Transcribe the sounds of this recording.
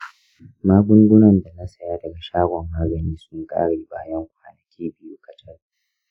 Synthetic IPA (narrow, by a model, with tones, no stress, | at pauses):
maː˦ɡʷʊ˦ŋɡʷʊ˦nɐ˨nda˨na˦sɐ˦jaː˦dɐ˨ɡa˨ʃaː˦ɡʷɔ˨mːaː˦ɡɐ˨niː˦sʊ˦ŋkʼa̰ː˦ɽeː˨baː˦jɐ˦ŋkʷʰaː˨nɐ˨kʲʰiː˦bɪ˦ju˦kʼɐ˨tɐ˦r